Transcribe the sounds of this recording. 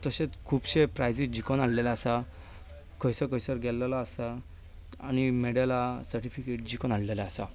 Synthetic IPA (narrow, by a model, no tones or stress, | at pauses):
t̪əɕẽt͡skʰuːpɕepɾajd͡zid͡ʑikɔnaɽlɛlaːsa | kəjsəkəjsəɾɡɛlːalaːsa | añimeɽalasəɾʈifikeʈ̚d͡ʑikɔnaɽlɛlaːsa